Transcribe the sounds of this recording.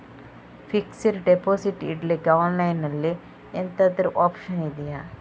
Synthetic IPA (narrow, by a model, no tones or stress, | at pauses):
fʰiksiɾɖepoːsiʈḭʈliɡɐwnlɐjnɐlːi | ent̪ɐd̪ɐɾuʔoːpʃɐnid̪ija